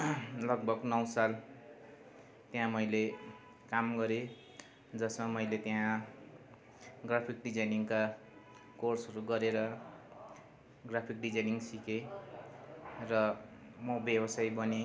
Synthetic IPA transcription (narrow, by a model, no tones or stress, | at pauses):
lʌɡ̚bʱʌɡnʌwsal | t̪jãmʌjle | kamɡʌɾe | d͡zʌsmamʌjlet̪jã | ɡrapʰikɖid͡zajniŋka | korsʌɾuɡʌɾeɾʌ | ɡrapʰik̚ɖid͡zajniŋsike | rʌmʌbjʌbʌsajbʌne